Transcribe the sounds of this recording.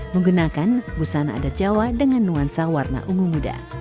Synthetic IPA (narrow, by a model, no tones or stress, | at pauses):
məŋɡunakanbusana̰ːdad͡ʒawadəŋanːuansawarna̰ʔuŋumuda̰